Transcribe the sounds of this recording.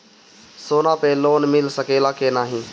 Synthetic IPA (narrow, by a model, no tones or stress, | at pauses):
soːnaːpeːloːnmɪlsəkeːlaːkeːnaːɦĩː